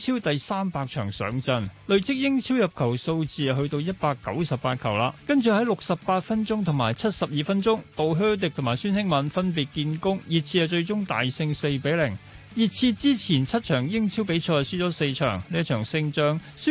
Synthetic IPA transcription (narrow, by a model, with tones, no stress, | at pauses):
t͡sʰiː˥wt̪ɐ˨jsaː˥mpaː˧k̚t͡ʃʰœː˨˩ŋsœ̰ː˨˥ŋt͡sɐ˧nlɵ˨ɥt͡sɪ˥k̚jɪ˥ŋt͡sʰiː˥wjɐ˨p̚kʰɐ˨˩wso˧wt͡siː˨˧ɐ˧ɦɵ˧ɥt̪o˧wjɐ˥t̚paː˧kːɐ̰˨˥wsɐ˨p̚paː˧t̚kʰɐ˨˩wlaː˧kɐ˥nt͡ʃyː˨˧ɦɐ˨˥jlʊ˨k̚sɐ˨ppaː˧t̚fɐ˥nt͡sʊ˥ŋt̪ʰʊ˨˩ŋmaː˨˩jt͡sʰɐ˥t̚sɐ˨p̚jiː˨fɐ˥nt͡ʃʊ˥ŋt̪o˨wɦøː˥t̪̬ɪ˨k̪̚ʰʊ˨˩ŋmaː˨˩syː˥nsɪ˥ŋmɐ˨˥nfɐ˥np̬i˨t̚kiː˧nkʊ˥ŋjiː˨t̚t͡sʰiː˧jɐ˨˧t͡ʃɵ˧ɥt͡sʊ˥ŋt̪a̰ː˨jsɪ˧ŋse˧jpe˨˥jlɪ˨˩ŋ | ji˨t̚t͡sʰiː˧t͡siː˥t͡sʰiː˨˩nt͡sʰɐ˥t̚t͡ʃʰœː˨˩ŋjɪ˥ŋt͡sʰiː˥wpe˨˥jt͡ʃʰɔː˧jsy˥t͡sɔː˨˥se˧jt͡ʃʰœ̰ː˨˩ŋni˥jɐ˥tt͡ʃʰœː˨˩ŋsɪ˧ŋt͡ʃœː˧ŋ | syː˥